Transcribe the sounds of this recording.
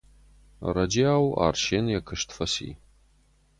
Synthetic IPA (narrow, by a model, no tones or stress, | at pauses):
rɐd͡ʒiaːwa̰ːrʃeːnjakʰɨʂtfɐsḭ